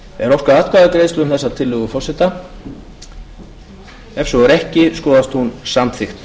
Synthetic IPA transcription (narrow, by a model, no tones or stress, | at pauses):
ɛɾɔfkvaðaːt̪kʰvaðakɾeːðst̪ʏmθɛsːat̪ʰɪlːʏːɣʏfɔrsɛt̪a | ɛfsɔɛɾɛhcɪskɔːðast̪hunsamθɪxt̪